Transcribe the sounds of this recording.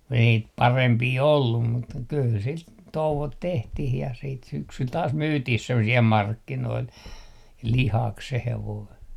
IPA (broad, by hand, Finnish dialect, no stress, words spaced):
kun ei niːt pɑrempiː olːum mut kyl sit touʋot tehtih jɑ siːt syksyl tɑːs myːtih semːo siɛl mɑrkːinoil lihɑk se heʋoi